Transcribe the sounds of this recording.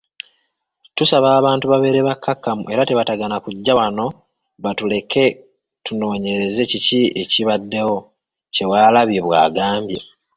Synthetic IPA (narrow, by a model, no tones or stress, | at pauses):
tusaβaːβaːntuβaβe̞ɾeβakːakːamṵʔe̞ɾate̞βataɡanakuɟːawano̞ | βatule̞ke̞ | tuno̞ːɲe̞ɾe̞ze̞cicie̞ciβadːe̞wo̞ | ce̞waːlaβjeβwa̰ːɡaːmbje̞